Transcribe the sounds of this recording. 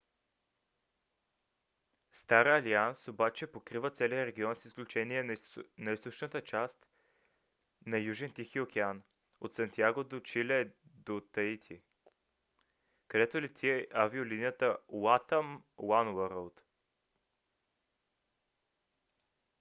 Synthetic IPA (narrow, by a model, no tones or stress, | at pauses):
st̪aɾəːliansobat͡ʃɛpokɾivət̪sɛlijəɾɛɡʲiɔnsisklʲut͡ʃɛniɛnɐist̪ot͡ʃnət̪ət͡ʃast̪ | nɐjuʒɛnt̪ixiokʲɛan | ot̪sɐnt̪iaɡod̪ot͡ʃilɛd̪ot̪əit̪ʰi | kɐd̪ɛt̪olɛt̪t̪iɛʔaviolinijət̪əwat̪əmwanwəɾəlˠt̪